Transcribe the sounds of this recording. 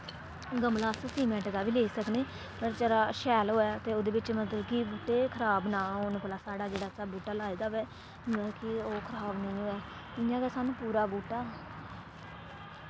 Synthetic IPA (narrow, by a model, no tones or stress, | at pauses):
ɡəmlaːssiːmɛ̃ːʈd̪aːbiːleːsəkneː | əɾt͡ʃəɾaːʃɛːlɦoːɛːt̪eːoːd̪eːbɪt͡ʃmət̪ləbkɪbuːʈeːkʰəɾaːbnãːɦoːnːpəlaːsaːɽaːd͡ʒeːɽaːsaːbuːʈaːlaːiːd̪aːʋɛː | ɛːkɪoːkʰəɾaːbnəĩːɦoːɛː | ɪjãːɡɛːsaːnũːpuːɾaːbuːʈaː